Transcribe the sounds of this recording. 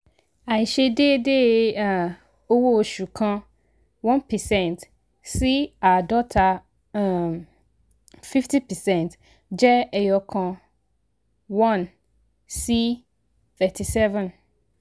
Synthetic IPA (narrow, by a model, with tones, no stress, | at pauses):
a˨i˨ɕe˦de˦de˦a˨ | o˦wo˦o˨ɕu˨kʰã˦ | wɔ̃˦npʰɛ˨sɛ̃˦˨nt | si˦a˨dɔ˦tʰa˨ | fi˦ftʰi˦pʰɛ˨sɛ̃˨nt | d͡ʑɛ˦ɛ˨jɔ˨kʰɔ̃˨ | wɔ̃˦˨n | si˦ | θɛ˨tʰi˨sɛ˦vɛ̃˨n